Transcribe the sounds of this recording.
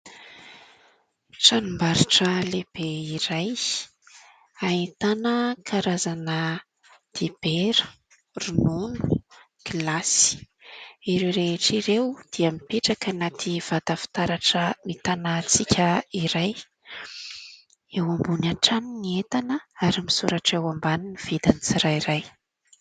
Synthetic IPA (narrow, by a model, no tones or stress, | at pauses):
ʈ͡ʂanumbaɾiʈ͡ʂəleb̥eiɾaj | ait̪anəkʰaɾazanə | d̪̥ib̥eɾə̥ | runonu̥ | ɡ̥ilasi̥ | iɾewɾeʈ͡ʂiɾewd̪̥iamipeʈ͡ʂakənat̪ʰiv̥at̪afi̥t̪aɾaʈ͡ʂəmit̪anat͡sikʲʰəiɾaj | ewambunaʈ͡ʂaniniet̪anəaɾimisuɾaʈ͡ʂewambaniniv̥id̪anit͡siɾajɾaj